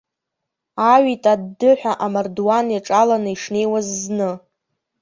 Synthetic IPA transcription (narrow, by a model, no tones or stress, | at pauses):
aɥitʼadːɨħʷᶣaʔamardwanjaʈ͡ʂʼalanɨiʂne̞jwazːnɨ